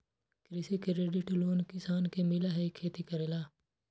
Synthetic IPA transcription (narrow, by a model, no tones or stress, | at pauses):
kɾɪsikɪɾeːɖɪʈloːnkɪsaːnkemɪlaɦɛkʰːeːt̪ikəɾeːlaː